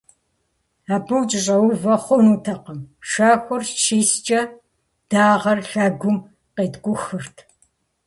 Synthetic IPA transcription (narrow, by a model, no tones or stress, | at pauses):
aːbɨwt͡ʃʼɪɕʼɐwʊvɐχʷɔnuːtʰɐqɐmʃaxʷʊrʃiːst͡ʃʼɐ | d̥aːʁɐrɬɐɡʷʊm | qeːtɡʷʊxɨrtʰ